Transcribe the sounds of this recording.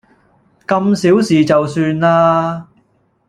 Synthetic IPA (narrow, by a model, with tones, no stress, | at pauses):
kɐ˧msiː˨˥wsiː˨˩t͡sɐ˨wsyː˧nlaː˥